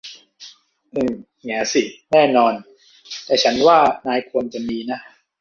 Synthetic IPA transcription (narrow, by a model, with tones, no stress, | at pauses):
ʔɯː˨˩ | ŋi˩˦si˨˩nɛː˥˩nɔː˧n | t̪ɛː˨˩t͡ɕʰa˦˥nwaː˥˩naː˧jkʰu˧əmt͡ɕa˨˩miː˧na˦˥